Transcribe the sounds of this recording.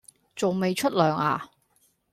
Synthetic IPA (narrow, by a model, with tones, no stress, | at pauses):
t͡so˨wme˨˧jt͡ʃʰɵ˥t̚lœː˨ŋa̰ː˨˩